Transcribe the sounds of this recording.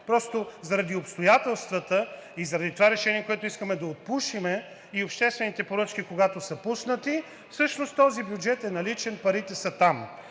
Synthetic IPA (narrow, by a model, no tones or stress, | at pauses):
pɾɔst̪ozɐɾɐd̪iopst̪ojat̪ɛlˠst̪vət̪əizɐɾɐd̪it̪ovaɾɛʃɛniɛkoɛt̪oʊiskəmɛd̪ɐot̪̚puʃimɛ | iopʃt̪ɛst̪vɛnit̪ɛpoɾɤt͡ʃk̟ikoɡat̪osəpusnət̪i | fsɤʃnost̪ɔzibjud͡ʒɛt̪ɛnɐlit͡ʃɛnpɐɾit̪ɛsət̪am